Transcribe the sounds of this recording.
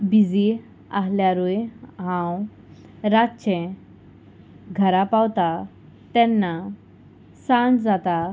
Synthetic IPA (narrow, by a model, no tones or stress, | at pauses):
bid͡zi | aɦljaɾujɦãw | ɾaɕɛ̃ | ɡʱəɾapawt̪a | t̪ɛ̃nːa | sãd͡zd͡zat̪a